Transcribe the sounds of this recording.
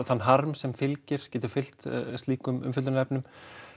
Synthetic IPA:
θanːɦaɾmsɛmfɪlcɪɾ̥cɛːt̪ʏɾ̥fɪl̥t̪st̪iːkʏmʏ̰mfʏlʏnaɛpnʏm

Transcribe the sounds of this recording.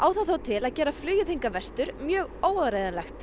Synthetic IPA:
ʔaːwθaθaːwt̪ʰɪlaðcɛːɾaflʏːjɪθiŋkavɛst̪ʏɾmjœːɣoːwaɾeːjðanlɛxt̪

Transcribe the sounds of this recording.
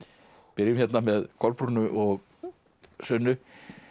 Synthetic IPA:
pɪɾjʏmçɛt̪namɛðkʰɔɾpɾunʏʔɔɣ | sœnːʏ

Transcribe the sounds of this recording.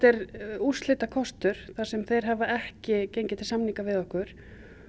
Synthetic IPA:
t̪ɛɾuslɪːt̪akʰɔst̪ʏɾ̥θasɛmθejɾ̥ɦavaɛhcɪcejɲcɪt̪ʰɪlsamniŋkavɪðɔhkʏɾ̥

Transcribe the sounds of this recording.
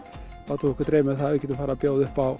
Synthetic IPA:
pat̪ʰuːɪkʏɾt̪ɾeːjmɪθaðʏːcɛt̪ʏfaːɾapjoːwðʏhpaw

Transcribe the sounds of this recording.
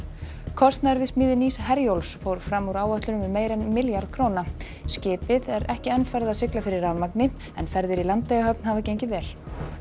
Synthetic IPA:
kʰɔst̪naɾvɪsmiːðɪniːsɦɛɾjowlsfowɾ̥fɾamːuɾaːwaht̪lʏnʏmɛðmeːjɾɛnmɪljaɾð̥kʰɾoːwna | scɪːpɪðɛɾɛhcɪɛnfɛɾðaðsɪklafɪɾɪɾawmaknɪ | ɛnfɛɾðɪɾilant̪lejɣaɦœpnhavacejɲcɪvɛːl̥

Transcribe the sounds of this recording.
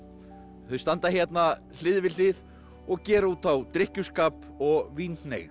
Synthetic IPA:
hœðst̪ant̪açjɛt̪na | l̥ɪðvɪlɪð | ɔɣcɛːɾauːt̪θawt̪ɾɪhcʏskaːp | ɔɣviːnnḛjɣ

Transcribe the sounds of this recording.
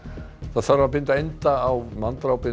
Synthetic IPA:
θaðθœɾapɪnt̪aejnt̪aːwmant̪ɾawpɪ

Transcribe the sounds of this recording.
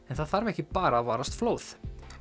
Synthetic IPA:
ɛnθaðfaɾvɛhcɪpaːɾavaːɾast̪floːwθ

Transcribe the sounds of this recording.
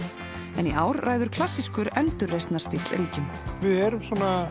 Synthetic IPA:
ɛniʔaːwɾraːjðʏɾ̥kʰlasːiskʏɾɛnt̪ʏɾːejst̪nḁst̪iːt̪lɾiːcʏm | vɪðɛːɾʏmsɔːna

